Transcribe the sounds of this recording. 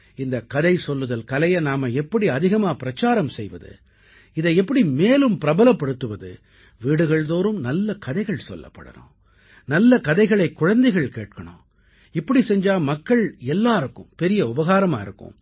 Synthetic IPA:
ɪnd̪ɐkɐðɐɪsɔlːɯðɐlkɐlɐjɐnaːmɐɛpːɐɽiɐðɪɣɐmaːpɪɾɐt͡ʃːaːɾɐmsɛjʋɐ̰ðɯ̰ | ɪðɐɪɛpːɐɽimeːlɯmpɪɾɐbɐlɐpːɐɽɯt̪ːɯʋɐðɯ̰ | ʋiːɽɯɣɐɭðoːɾɯmnɐlːɐkɐðɐɪɣɐɭsɔ̰lːɐ̰pːɐ̰ɽɐ̰nõ̰ː | nɐlːɐkɐðɐɪɣɐɭɐɪkːʊɻɐnd̪ɐɪɣɐɭkḛːʈ̚kɐɳõ̰ː | ɪpːɐɽisɛɲd͡ʒaːmɐkːɐɭɛlːaːɪɾɯkːɯ̰mpɛɾɪjɐʊbɐɣaːɾɐma̰ːɪɾɯkːɯ̰m

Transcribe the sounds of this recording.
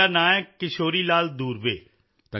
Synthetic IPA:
aːnãːɛ̃ːkɪʃoːɾiːlaːld̪uːɾʋḛː | t̪a

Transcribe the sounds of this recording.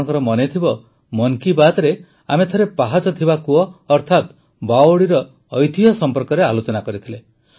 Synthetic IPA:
ɔŋkɔɾɔmɔnet̪ʰibɔ | mɔŋkibad̪ɾe | amet̪ʰɔɾepaɦad͡ʒɔt̪ʰibakuɔːɾt̪ʰat̪ | bawoɽiɾɔː | jt̪iɦɔsɔmpɔɾkɔɾealot͡ʃɔnakɔɾit̪ʰile

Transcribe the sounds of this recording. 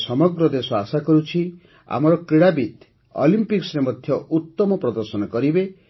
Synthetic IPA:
sɔmɔɡɾɔd̪esɔasakɔɾut͡ʃʰi | a̰mɔɾɔkɾiɽabit̪ | ɔ̰limpiksɾemɔd̪ʱjɔʔut̪ːɔmɔpɾɔd̪ɔɾsɔnɔkɔɾibe

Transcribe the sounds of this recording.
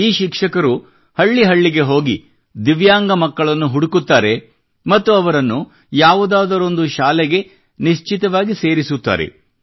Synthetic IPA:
iːʃikʂɐkɐɾu | hɐɭːiɦɐɭːiɡe̞ɦo̞ːɡi | d̪iʋjaːŋɡɐmɐkːɐɭɐnːuɦuɽukut̪ːaːɾe̞ | mɐt̪ːuɐʋɐɾɐnːu | jaːʋud̪aːd̪ɐɾo̞nd̪uʃaːlɛɡe̞ | niʃt͡ʃit̪ɐʋaːɡise̞ːɾisut̪ːa̰ːɾḛ

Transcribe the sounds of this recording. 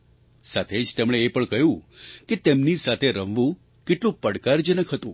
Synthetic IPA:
sat̪ʰed͡ʒt̪emɳ̃eːpəɳkəɦjũket̪emnisat̪ʰeɾəʋʋũ | kɪʈlũpəɽkaɾd͡ʒənəkʰɦət̪ṵ̃

